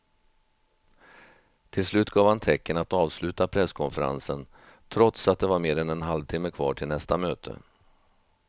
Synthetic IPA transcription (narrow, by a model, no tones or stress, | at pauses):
t̪ʰɪlslʉ̟ːt̪̚ɡɑːvhant̪ʰɛkːənat̪ɑːvslʉ̟ːt̪apʰɾɛskʰɔnfəɾa̰nsən | t̪ʰɾɔt̪sat̪̚d̪ɛvaɾmeːɾɛnɛnɦalvt̪ʰɪmːəkʰvɑ̰ːʈʰɪlnɛst̪amøːt̪ʰə̰